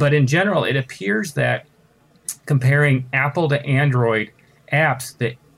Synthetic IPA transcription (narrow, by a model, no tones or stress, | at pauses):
b̥ʌɾɨ̃nd͡ʒɛnə˞l̩ˠɪ̰ɾɨpʰɪɹzðɨt̚ | kʰə̃m̩pʰɛɹɪ̃ŋæpl̩ˠtɨʔæ̃ndɹɔɪɾ | ʔæpsðɨ